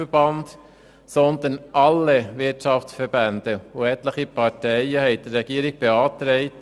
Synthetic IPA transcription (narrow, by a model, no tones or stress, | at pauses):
əb̥ɑnd̥ | sɔnd̪ənʔɑlːəʋɪtt͡ʃɑft͡ssfəɾbænd̥̪əʊɛtləχipɑtɛɪəhɛɪd̥əɾːɛɡ̥iːəɾiɡ̥̚b̥eɑːtɾɛɪt